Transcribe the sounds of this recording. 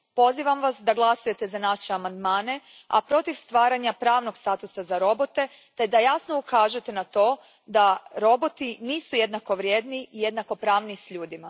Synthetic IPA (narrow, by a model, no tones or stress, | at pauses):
po̞ziːʋamʋasd̪aɡlˠasuje̞t̪e̞zanaʃeamand̪maːne̞ | a̰pɾo̞t̪iʋst̪ʋaːɾaɲapɾaːʋno̞ɡst̪aːt̪usazaɾo̞bo̞t̪e̞ | t̪e̞d̪ajasno̞ukaːʒujet̪enat̪o̞ː | d̪aɾo̞bo̞t̪iniːsuje̞d̪nako̞ʋɾʲjed̪niije̞d̪nako̞pɾaːʋnisʎuːd̪ima